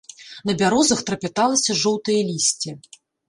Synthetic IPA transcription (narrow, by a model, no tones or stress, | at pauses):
nɐbʲaɾɔzɐxt̪ɾɐpʲɛt̪alˠɐsʲɐʐɔwt̪ɨjɐlʲisʲt͡sʲi